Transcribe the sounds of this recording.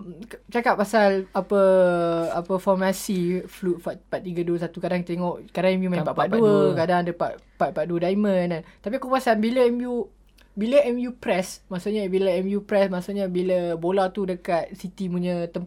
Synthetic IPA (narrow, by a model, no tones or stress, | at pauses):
t͡ʃakaʔ̚pːasalapə | apəfɔrmasiflut̪̚faʔpaʔt̪ːiɡəduəsat̪ukadaŋkt̪eŋɔʔkadaŋɛmjumãpapaʔ̪̚dduuəkadaŋdəpa̰ʔ̚ | pat̪̚paʔ̪̚duədaimə̃nant̪ap̬ikupasanbiləɛmju | biləɛmjupɾɛsmasuʔɲabiləɛmjupɾɛsmasuʔɲabiləbolat̪udəkat̪̚sit̪imuɲət̪əm